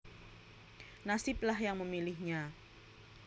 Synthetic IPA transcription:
nasɪp̚lahjaŋməmilɪhɲa

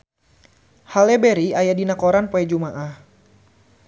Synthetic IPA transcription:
halɛbɛɾiajadinakoɾanpoɛd͡ʒumaʔah

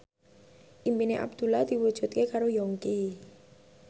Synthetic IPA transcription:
ʔimpineʔa̰b̚d̪̥ulad̪̥iwud̥ʒ̥ṳt̪̚kekaɾojɔŋki

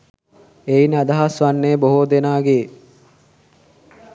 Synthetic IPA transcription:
einad̪aɦasʋanːeːboɦod̪enaːɡe

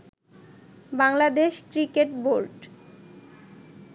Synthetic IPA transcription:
baŋlad̪eʃkɾikeʈboɾɖ

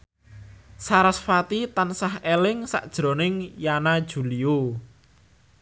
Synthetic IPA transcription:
saɾasfat̪it̪ansahelɪŋsa̰ʔd̥ʒ̥ɾo̤nɪŋjanad̥ʒ̥ṳlio

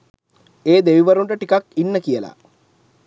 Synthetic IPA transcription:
eːd̪eʋiʋɐɾuɳʈəʈikakinːəkijəla̰

